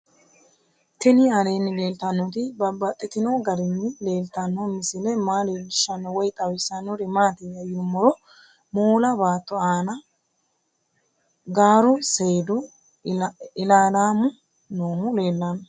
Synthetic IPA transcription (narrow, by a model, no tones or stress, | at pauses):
t̪ɛnɪɐle̞ːnːɪle̞ːlt̪ɐnːɔt̪ɪbɐbɐt̪ʼːɪt̪ɪnoɡɐɾɪnːɪle̞ːlt̪ɐnːɔmɪsɪlɛmaːleːlɪʃːɐnːɔwɔjt̪ʼɐwɪsɐnːɔɾɪmaːt̪ɪjɐjʊmːɔɾɔ | moːlɐbaːt̪ːɔaːnɐ | ɡaːɾʊseːd̪ʊ | ɪlaːlaːmʊ | noːmʊle̞ːlːanːɔ